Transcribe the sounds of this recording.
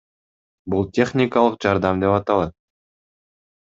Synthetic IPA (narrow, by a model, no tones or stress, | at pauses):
bulˠt̪ʰʲe̞χnʲikɑlˠəqʒɑɾd̪ɑmd̪e̞pɑt̪ɑlˠɑt̪̚